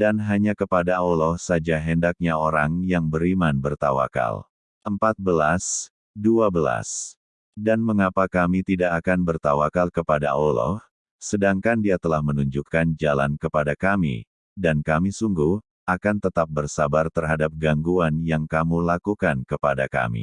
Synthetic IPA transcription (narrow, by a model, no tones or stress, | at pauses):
danɦaɲakəpadaolɔhsad͡ʒaɦɛndak̚ɲaoɾaŋjaŋbəɾimanbərt̪awa̰ka̰l | ʔəmpat̪̚bəlas | duabəla̰s | danməŋapakamit̪idaʔːkanbərt̪awakalkəpada̰ʔolɔ̰h | sədaŋkandiat̪əlahmənuɲd͡ʒukːand͡ʒala̰nkəpadakamḭ | dankamisuŋɡuh | ʔakant̪ət̪ap̚bərsabart̪ərɦadap̚ɡaŋɡuanjaŋkamulakukankəpadaka̰mḭ